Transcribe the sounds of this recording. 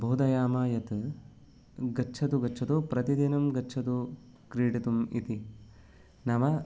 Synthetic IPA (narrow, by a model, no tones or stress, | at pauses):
bʱoːd̪ɐjaːmaːjɐt̪ | ɡɐtːt͡ʃʰɐt̪uɡɐtːt͡ʃʰɐt̪upɾɐt̪id̪inɐmɡɐːt͡ʃʰɐt̪u | kɾiːɖɐt̪umḭt̪i | nɐmɐ